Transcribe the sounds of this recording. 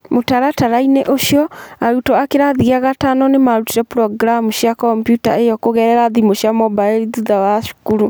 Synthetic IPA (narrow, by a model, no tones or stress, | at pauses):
motaɾataɾaineʔoʃijɔaɾutɔakeɾaðiaɣatanɔnemaɾutiɾɛpɾɔɡɾamusjakɔmpjutaejɔkoɣɛɾɛɾaðimoɕjamɔbaeɾiðuðawaʃu̥kuɾu